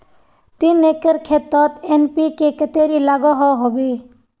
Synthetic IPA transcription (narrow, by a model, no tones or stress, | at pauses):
t̪ineːkəɾkʰeːt̪ːɔt̪enpikekət̪eːɾilaːɡɔɦɔɦobe